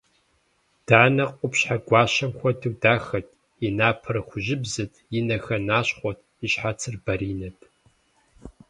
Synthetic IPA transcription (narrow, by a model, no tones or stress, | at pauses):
d̥aːnɐqʷʼʊpɕħaɡʷɑːɕɐmxʷɔdʰɨkʷdaːxɐtʰʼ | inaːpʰɨrɨxʷʊʑɪbzɨtʰjɪnɐxɐnaːɕχʷɔtʰ | iɕħat͡sʰɨrbɐɾiːnɐtʰ